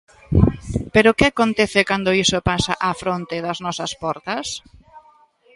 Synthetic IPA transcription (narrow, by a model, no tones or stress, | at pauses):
peɾokɪakont̪ɛθekand̪oisopasaʔafɾont̪eðɐznɔsɐspɔɾt̪ɐs